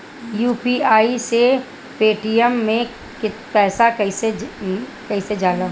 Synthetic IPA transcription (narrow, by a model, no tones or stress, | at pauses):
juːpiaːise | peːʈiɛmːẽ | kɪpɛːsakɐised͡ʒkɛɦised͡ʒaːd̪a